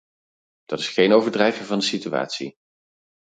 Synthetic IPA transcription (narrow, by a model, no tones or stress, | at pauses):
d̥ɑtɪ̥sχejnowvəɹdrɛjvəvɑndəsitya̰ːtsḭ